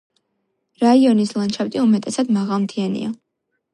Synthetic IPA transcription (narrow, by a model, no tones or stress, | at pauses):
ɾaiɔnislˠant͡ʃʰapt̪ʼiumɛt̪ʼɛsad̪maʁalˠmt̪ʰianḭa